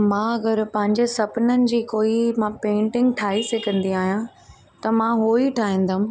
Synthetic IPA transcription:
mãːɐɡəɾpɐ̃ɦɪ̃ɲd͡ʑesɐpnənɪ̆d͡ʑiːkoːimãːpẽːɳʈɪ̃ŋɡʈʰaːisekɐ̃nd̪iaːɦijã | t̪ɐmãːɦoːiʈʰaːɦĩːn̆d̪aʊ̃m̆

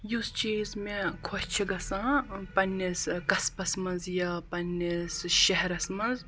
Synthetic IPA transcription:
just͡ʃiːzmẽkʰoʃt͡ʃʰiɡɐsãːpɐnːiskɐspɐsmɐzjɐpɐnːesʃɐɦɛɾɐsmɐz

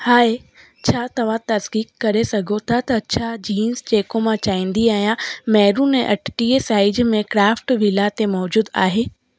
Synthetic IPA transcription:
haːe | t͡ɕʰaːt̪ɐʋ̤ãt̪ɐsɡiːkːɐɾesɐɡʱot̪ʰat̪ɐɐtːt͡ɕʰad͡ʑiːnzd͡ʑeːkomãt͡ɕaːĩːn̆d̪iaːɦijãmɛːɾũnɛ̃ːʔɐʈʰʈiːesaːɪd͡ʑmẽkɾaːfʈʋilat̪emɔːd͡ʑuːd̪a̰ːɦeː

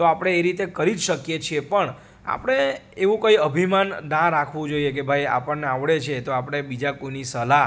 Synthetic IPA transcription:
t̪oapəɽ̃eːɾit̪ekəɾid͡ʒʃəkjet͡ʃʰiepəɳ | a̰pɽ̃e | eʋũkəiəbʱimanɖãɾakʰʋũd͡ʒoiekebʱaja̰pəɳːeaʋɭet͡ʃʰet̪oapɽ̃ebid͡ʒakoinisəla

